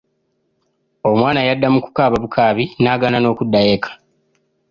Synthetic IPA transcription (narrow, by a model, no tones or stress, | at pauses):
o̞mwaːnajadːamuku̥kaːβaβukʰaːβinaːɡanano̞ːkudːajeːkʰḁ